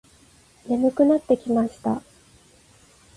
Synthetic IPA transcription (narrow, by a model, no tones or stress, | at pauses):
ne̞mɯ̟kɯ̟nat̪ːe̞kʲimaɕi̥t̪a̰